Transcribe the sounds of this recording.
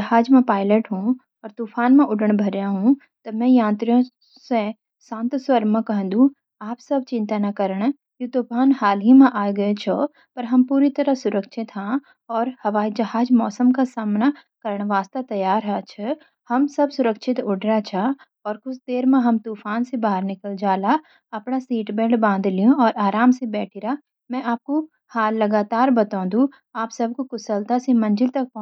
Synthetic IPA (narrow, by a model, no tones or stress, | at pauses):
d͡ʒɐɦaːd͡ʒmãpaːɪləʈɦũ | ɔːɾt̪uːfʰaːnmãʔʊɖəɽ̃bʱɐɾjãɦũ | t̪ɐmɛ̃jãːnt̪ɾijõ | sẽ | sãːnt̪sʋəɾmãkɐɦə̃nd̪ũ | aːpsɐbʱt͡ʃɪ̃nt̪anɐkɐɾəɽ̃ | jut̪uːpʰaːnɦaːlɦimãʔaːjɡɐet͡ʃʰɔ | pɐɾɦɐmpuːɾit̪ɐɾəsʊɾəkʃʰɪt̪ɦã | ɔːɾhɐʋaːid͡ʒɐɦaːd͡ʒmɔːsəmkasaːmnakɐɾəɽ̃ʋaːst̪at̪ɐjaːɾɦɛt͡ʃʰə | hɐmsɐbsʊɾəkʃɪt̪ʊɖɾat͡ʃʰa | ɔːɾkʊsʰd̪eːɾmẽɦɐmt̪uːfaːnsebaːɦəɾnɪkəld͡ʒaːla | ɐpnasiːʈbɛ̃ːɖbãːnd̪ʱlijõɔːɾaːɾaːmsebɛːʈʰiɾa | mɛ̃ːʔaːp̚ko | haːlːɐɡaːt̪aːɾbɐt̪ãːd̪u | aːpsɐb̚ʱkokʊsəlt̪asemɐ̃nd͡ʒɪlt̪ɐk̚pɔ̃